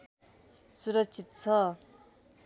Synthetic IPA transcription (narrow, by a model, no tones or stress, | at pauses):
suɾʌk̚t͡sʰit̪̚t͡sʰʌ